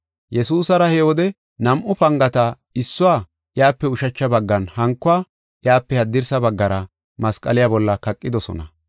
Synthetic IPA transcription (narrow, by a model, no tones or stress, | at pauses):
jɛsuːsɐɾɐhɛwɔd̪ɛ | nɐmʔʊpɐŋɡɐt̪ɐ | ɪsːʊwaː | ʔɪjaːpːɛʊʃɐt͡ʃːɐbɐɡːɐnhɐŋkːʊaː | ʔjaːpːɛhɐd̪ːɪɾsɐbɐɡːɐɾɐ | mɐskʼɐlɪjabɔlːɐkɐkʼːɪd̪ɔsɔ̰nɐ̰